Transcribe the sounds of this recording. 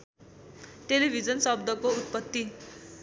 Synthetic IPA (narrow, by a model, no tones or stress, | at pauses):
ʈelibʱid͡zʌnsʌb̚d̪ʱʌkout̪̚pʌt̪ːi